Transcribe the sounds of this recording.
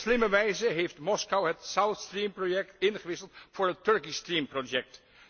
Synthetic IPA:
slɪməʋɛjzəɦejftmɔskɑwɦətsawθstrimprojɛk̚tɪnχəʋɪsəlˠtfʊːɹətːɵɹkistrimprojɛk̚t

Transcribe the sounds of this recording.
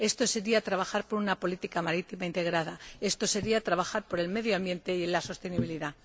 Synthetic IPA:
e̞st̪o̞se̞ɾiat̪ɾaβaxaɾpo̞ɾunapo̞lit̪ikamaɾit̪imaint̪e̞ɣɾað̞ae̞st̪o̞se̞ɾiat̪ɾaβaxaɾpo̞ɾe̞lme̞ðjoambje̞nt̪e̞jelaso̞st̪e̞niβ̞iliða

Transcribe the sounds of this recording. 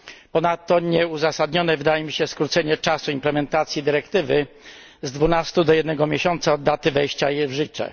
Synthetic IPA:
pɔnat̪ːɔɲɛuzasad̪ɲɔnɛvɘd̪ajɛmʲiɕɛskɾut̪sɛɲɛt͡ʂasuimplɛmɛnt̪at̪sʲjid̪ɘɾɛkt̪ɘvɘ | zd̪vunast̪ud̪ɔjɛd̪nɛɡɔmʲjeɕɔnt̪saɔd̪ːat̪ɘvɛjɕt͡ɕajɛvʐɘt͡ʂɛ̰

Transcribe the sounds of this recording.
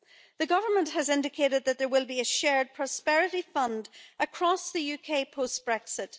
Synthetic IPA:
ðəɡʌvə˞mə̃nʔhəzɪ̃ndɪkʰeɾɨd̪̚ðət̪̚ðə˞wɪlˠbiɨʃɛɹd̚pʰɹ̥ɔspɛɹɪɾifʌ̃ndəkʰɹ̥ɔsðəjʉkʰeɪpʰostb̥ɹɛksɪt

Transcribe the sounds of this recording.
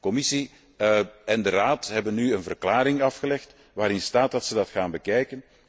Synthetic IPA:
kɔmɪsi | ɛndəraːtɦɛbənːyənvərklaːɾɪŋɑfxəlɛxt | ʋaːɾɪnstaːt̚dɑtsədɑtxaːnbəkɛjkən

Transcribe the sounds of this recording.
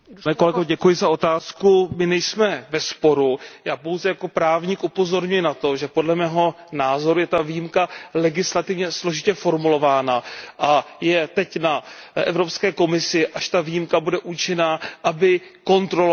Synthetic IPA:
nɛːkolɛɡoɛɟɛkujɪzao̞t̪aːskumɪnɛjsmɛvɛspo̞ɾujaːpo̞wzɛjako̞pɾaːvɲikʔupo̞zo̞ɾɲujɪnat̪o̞ʒɛpo̞dlɛmɛːɦo̞ | naːzo̞ɾujɛt̪avijimkalɛɡɪslat̪ɪvɲɛslo̞ʒɪcɛfo̞ɾmulo̞vaːnaʔajɛt̪ɛcnaʔɛ̰vɾo̞pskɛːko̞mɪsɪʔaʃt̪avijimkabudɛʔut͡ʃɪnaːʔabɪko̞nt̪ɾol

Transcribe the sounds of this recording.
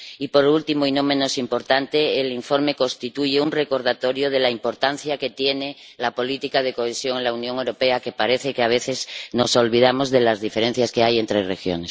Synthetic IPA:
ipo̞ɾult̪imoino̞mẽ̞no̞simpo̞ɾt̪ant̪e̞ːliɱfo̞ɾme̞ko̞st̪it̪uʝeunre̞ko̞ɾð̞at̪o̞ɾjoð̞e̞laimpo̞ɾt̪anθjake̞t̪je̞ne̞ | lapo̞lit̪ikað̞e̞ko̞esjo̞ŋenlaunjoŋewɾo̞peake̞paɾe̞θekeaβ̞e̞θe̞zno̞so̞lβið̞amo̞zðe̞lazðife̞ɾẽ̞n̟θjaske̞ajent̪ɾesrexjo̰nes

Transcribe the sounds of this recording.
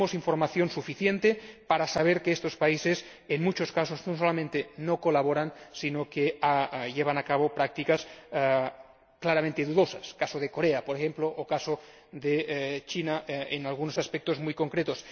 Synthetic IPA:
osiɱfoɾmaθjo̞nsufiθjent̪epaɾasaβ̞eɾkeest̪ospaises | enmut͡ʃoskasoznosolamẽnt̪enokolaβ̞oɾansinokeaʎeβ̞anakaβ̞opɾak̚t̪ikas | klaɾamẽnt̪eðuðosaskasoð̞ekoɾeapoɾexemploʔːkaso | d̪et͡ʃinaʔenalɣunosaspek̚t̪ozmujkoŋkɾet̪os

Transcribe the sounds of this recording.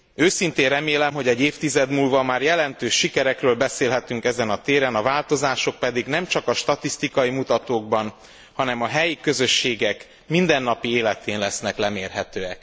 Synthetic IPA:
øːsint̪eːrɛmeːlɛmɦo̞ɟɛɟːeːft̪izɛd̪muːlvɒmaːrjɛlɛnt̪øːʃːikɛɾɛkrøːlbɛseːlɦɛt̪yŋkɛzɛnɒt̪eːɾɛnɒvaːlt̪o̞zaːʃo̞k̚pɛd̪iɡnɛmt͡ʃɒkɒʃt̪ɒt̪ist̪ikɒimut̪ɒt̪oːɡbɒn | hɒnɛmɒɦɛjikø̞zø̞ʃːeːɡɛk | mind̪ɛnːɒpieːlɛt̪eːnlɛsnɛklɛmeːrɦɛt̪øːɛk

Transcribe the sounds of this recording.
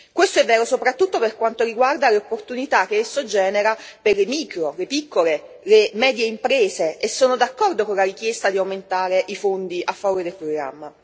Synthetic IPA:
kwest̪oɛvːɛːɾosopɾat̪ːut̪ːoperkwant̪oɾiɡward̪aleopːort̪unit̪ak̟ːeesːod͡ʒɛːneɾaperlemikɾolepikːole | lemɛːd̪jeimpɾeːzeesːoːnod̪akːɔrd̪okonlaɾikjest̪ad̪iawment̪aːɾeʔifond̪iʔafːavoːɾed̪elpɾoɡɾa̰mːa

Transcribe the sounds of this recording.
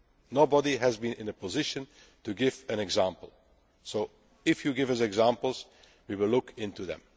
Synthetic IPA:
noʊbədiɦæzbĩnɪ̃nəpɔzɪʃə̃n | tuɡɪvɨ̃nɛɡzãmpəl̩ˠ | soʊ | ɪfjuɡɪvʌzɛɡzãmpəl̩ˠz | wiwɪlʊkʰɪ̃ntuðɛ̰̃m

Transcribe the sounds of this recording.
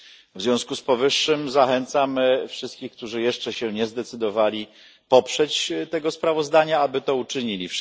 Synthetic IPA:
vzʲjɔ̃w̃skuspɔvɘʂːɘmzaxɛnt̪samfʂɘst̪̚kʲixk̚t̪uʐɘjɛʂt͡ʂɛɕɛɲɛzd̪ɛt̪sɘd̪ɔvalʲi | pɔpʂɛt͡ɕt̪ɛɡɔspɾavɔzd̪aɲaabɘt̪ɔut͡ʂɘɲilʲif

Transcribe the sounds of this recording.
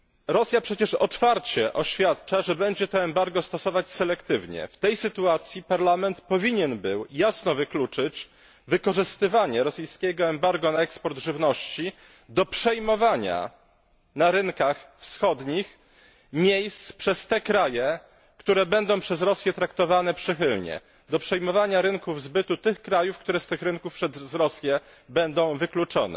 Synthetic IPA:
ɾɔsʲjapʂɛt͡ɕɛʂɔ̰t̪faɾt͡ɕɛʔɔɕfʲjat̪t͡ʂaʐɛbɛɲd͡ʑɛt̪ɔɛmbaɾɡɔst̪ɔsɔvat͡ɕsɛlɛkt̪ɘvɲɛ̰ft̪ɛjsɘt̪uat̪sʲjipaɾlamɛnt̪pɔvʲiɲɛnbɘwjasnɔvɘklut͡ʂɘt͡ɕ | vɘkɔʐɘst̪ɘvaɲɛɾɔsɘjskʲɛɡɔɛmbaɾɡɔnaɛkspɔɾd̪ʐɘvnɔɕt͡ɕi | d̪ɔpʂɛjmɔvaɲa̰ | naɾɘnkaxfsxɔd̪ɲix | mʲjejst̪spʂɛst̪ɛkɾajɛ | kt̪uɾɛbɛnd̪ɔ̃w̃pʂɛzɾɔsʲjɛt̪ɾakt̪ɔvanɛpʂɘxɘlɲɛ̰ | d̪ɔpʂɛjmɔvaɲaɾɘŋkuvzbɘt̪ut̪ɘxkɾajufkt̪uɾɛst̪ɘxɾɘŋkufpʂɛzzɾɔsʲjɛ | bɛnd̪ɔ̃w̃vɘklut͡ʂɔnɛ̰

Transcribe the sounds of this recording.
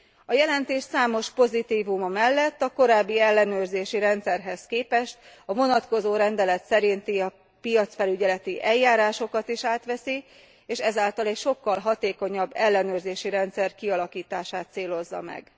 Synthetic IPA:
ɒjɛlɛnt̪eːʃsaːmo̞ʃpo̞zit̪iːvumɒmɛlːɛt̪ːɒko̞ɾaːbːiɛlːɛnøːrzeːʃiɾɛnt̪sɛrɦɛskeːpɛʃt̪ɒvo̞nɒt̪ko̞zoːɾɛnd̪ɛlɛt̪sɛɾint̪iɒ | pijɒt̪sfɛlyɟɛlɛt̪iʔɛjːaːɾaːʃo̞kɒt̪iʃaːt̪ʋɛsi | eːʃɛzaːlt̪ɒlɛcʃo̞kːɒlɦɒt̪eːko̞ɲɒbːɛlːɛnøːrzeːʃiɾɛnt̪sɛrkiɒlɒkiːt̪aːʃaːt̪seːlo̞zːɒ̰mɛ̰ɡ

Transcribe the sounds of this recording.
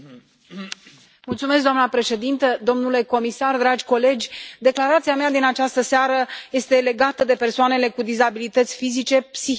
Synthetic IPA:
mult̪sumeskd̪oanəpɾe̞ʃe̞d̪int̪əd̪o̞mnule̞ko̞misard̪ɾad͡ʒʲko̞le̞d͡ʒʲd̪e̞klaɾat̪siamead̪inat͡ʃast̪əseaɾəje̞st̪e̞le̞ɡat̪əd̪e̞pe̞rsoane̞le̞kud̪izabilit̪ət̪sʲfizit͡ʃe̞psi

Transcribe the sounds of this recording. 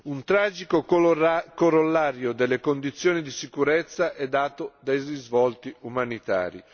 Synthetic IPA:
unt̪ɾaːd͡ʒiko | koɾolːaːɾjod̪elːekond̪it̪sːjoːnid̪isikuɾet̪sːaʔɛd̪ːaːt̪od̪ajrizvɔlt̪iumanit̪a̰ːɾḭ

